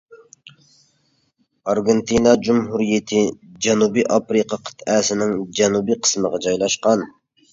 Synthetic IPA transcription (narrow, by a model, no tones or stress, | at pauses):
ɑɾɡent̪ʰinɑd͡ʒumɦuɾijɪt̪ʰɪd͡ʒɛnubiʔɑpɾɨqʰɑqʰə̥t̪ʰɛsɪnɪŋd͡ʒɛnubiqʰə̥sməʁɑd͡ʒɑjlˠɑʃqɑn